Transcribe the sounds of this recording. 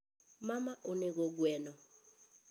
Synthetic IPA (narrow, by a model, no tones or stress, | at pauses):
mamaʔunɛk̬ɔɡwɛːnɔ